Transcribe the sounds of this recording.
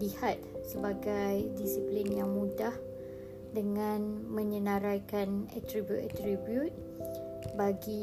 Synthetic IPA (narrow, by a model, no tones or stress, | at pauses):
lihat̪̚səbaɡajdisiplinjaŋmudah | dəŋãnmə̃ɲənãɾajkanɛ̰t̪ɾibjut̪ɛt̪ɾibjut̪̚ | baɡi